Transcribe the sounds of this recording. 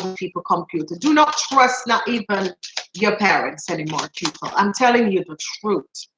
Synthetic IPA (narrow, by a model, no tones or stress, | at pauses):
pʰiˑpl̩ˠkʰə̃mpʰjʉˑtədənətʰɹ̥ʌsðəʔiːvə̃njəpʰɛːɹə̰̃ntsɛnimɔ̰ːɹə̃npʰj̥upʰə̰lã̰ɪ̃mtʰɛlɪ̃ŋjəðətʰɹ̥uˑθ